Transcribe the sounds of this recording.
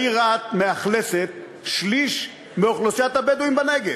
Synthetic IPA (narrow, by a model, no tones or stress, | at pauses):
iʁat̪meaχleset̪ | ʃliʃ | meoχlosjat̪habed̪uimbaneɡe